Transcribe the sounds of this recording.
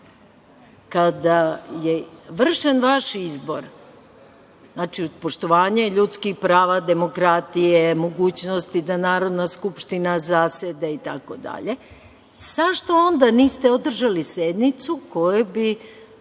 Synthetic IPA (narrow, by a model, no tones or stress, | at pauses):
kad̪ajeʋr̩ʃenʋaʃizbo̞̰ɾ | znaːt͡ʃiod̪po̞ʃt̪o̞ʋaːɲeʎut̪skixpɾaːʋad̪e̞mo̞kɾat̪ijemo̞ɡuːt͡ɕnost̪id̪anaːɾo̞d̪naskupʃt̪inazaːsed̪ait̪a̰ko̞d̪a̰ʎe̞ | z̥aʃt̪o̞ond̪aniːst̪eod̪r̩ʒalised̪nit̪suko̞jubi